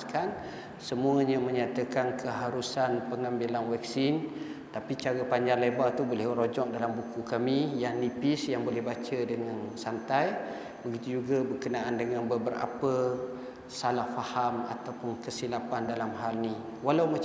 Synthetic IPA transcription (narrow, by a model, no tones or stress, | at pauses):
kan | səmũəɲə̃mə̃ɲat̪əkankʰəɦaɾusanpəŋambilanwɛk̚sin | t̪apit͡ʃaɾəpaɲd͡ʒaŋlebat̪ubolɛhəɾod͡ʒɔk̚dalambukukamĩjaŋnnipisjaŋbolɛhbat͡ʃədəŋansant̪aj | bəɡit̪ud͡ʒuɡabəkənaʔandəŋãnbəbəɾa̰pə | salahfahama̰t̪awpʊnkəsilapandalamɦalni | walawma